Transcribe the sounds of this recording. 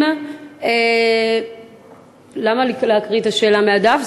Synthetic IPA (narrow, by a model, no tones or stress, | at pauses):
e | lamalileakʁitaʃe̞ːlamead̪af